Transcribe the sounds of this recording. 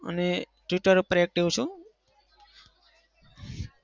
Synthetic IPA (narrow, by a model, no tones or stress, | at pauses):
ə̰ne | ʈiʈəɾpɾek̚ʈiʋt͡ʃʰũ